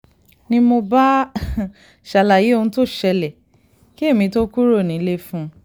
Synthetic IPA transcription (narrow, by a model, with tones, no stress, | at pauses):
nĩ˧mo˧ba˦ | ʃa˨la˨je˨˦o˧ũ˧˦to˦˨ʃɛ˧lɛ˨ | ki˦e˦˨mĩ˧˦to˦ku˦ɾo˦˨nĩ˨˦le˦fũ˦